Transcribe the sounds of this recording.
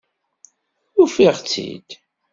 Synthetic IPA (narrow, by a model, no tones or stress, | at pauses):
ʊfiʁt͡sːḭd̪̥